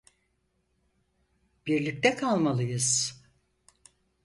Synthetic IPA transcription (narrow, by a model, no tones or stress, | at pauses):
b̥iɾlʲic̚t̪ɛkʰalˠmalˠɯjɯz̥